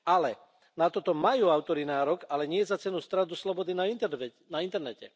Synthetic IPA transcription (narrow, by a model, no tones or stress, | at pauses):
alɛ | nat̪ɔt̪ɔmajuːaʊt̪ɔɾinaːɾɔɡalɛɲɪɛzat͡sɛnust̪ɾad̪uslɔbɔd̪inanaint̪ɛɾnɛcɛ̰